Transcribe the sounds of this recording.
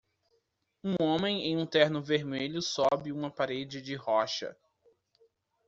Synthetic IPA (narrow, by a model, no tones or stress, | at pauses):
ũõmẽj̃ẽj̃ũt̪ɛɾnʊveɾmeʎʊsɔbɪũmɐpaɾed͡ʒɪd͡ʒɪɦɔʃɐ̰